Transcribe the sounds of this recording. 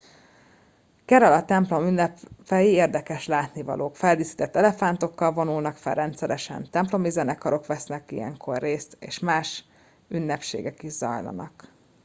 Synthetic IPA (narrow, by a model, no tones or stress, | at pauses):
kɛɾɛlɒt̪ɛmplo̞mynːɛpfɛjieːrd̪ɛkɛʃlaːt̪nivɒ̰lʔoːkfɛld̪isi̥t̪ɛt̪ːɛlɛfant̪o̞kːɒlvo̞nulnɒkfɛ̰lrɛnt̪sɛɾɛʃɛ̰nt̪ɛmplo̞mizɛnɛkɒɾo̞kʋɛsnɛkijɛ̰ŋkʰo̞rːeːst̪ḛːʃmaːʃ | ynːɛpʃḛːɡɛkiʒz̥ɒ̰jlɒ̰nɒ̰k